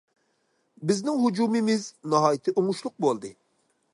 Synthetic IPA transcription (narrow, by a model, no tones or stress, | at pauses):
bɪznɪŋɦud͡ʒumɪmɪznɑɦɑːjit̪ʰɪʔuŋʊʃlˠʊq̚bolˠd̪ɨ